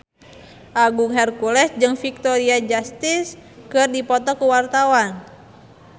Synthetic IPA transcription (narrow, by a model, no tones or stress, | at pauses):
ʔaɡuŋɦɛrkulɛsd͡ʒɨŋfik̚t̪ɔɾiad͡ʒast̪iskɨrdipɔt̪ɔkuwart̪awan